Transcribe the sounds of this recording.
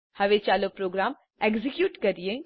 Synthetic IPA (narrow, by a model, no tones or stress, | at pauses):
hɐʋet͡ʃaːlopɾoːɡɾaːm | eːɡzɪkjuːʈkɐɾiẽ